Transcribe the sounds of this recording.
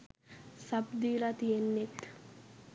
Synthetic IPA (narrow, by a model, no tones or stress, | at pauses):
sɐbd̪iːlat̪ijenːet̪